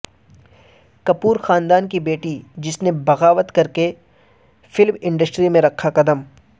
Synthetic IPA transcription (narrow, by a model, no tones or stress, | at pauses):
kɐpuːɾxaːnd̪aːnkibeːʈid͡ʒɪsnebɐɣaːʋət̪kɐɾke | fɪlmɪ̃ɳɖəsʈɾimẽɾɐkʰːaqɐd̪əm